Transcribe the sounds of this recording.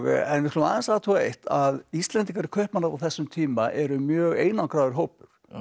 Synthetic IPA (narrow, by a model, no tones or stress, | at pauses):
ɣɛnvɪ̥k̪ʰlːnaðɛnsaðt̪ʰuaejht̪ʰaðist̪lɛnt̪iŋk̬aɾɪɾ̥kʰœhpnanaɾawθɛsːʏmt̪ʰiːmaʔɛɾʏmjœːɣeːjnawkɾawðɪɾ̥ɦoːwpʏɾ̥